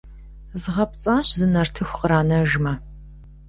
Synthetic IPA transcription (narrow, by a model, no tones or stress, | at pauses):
zʁɐp̚t͡sʼaːɕzɨnɐrtʰɨxʷqəɾaːnɐʒmɐ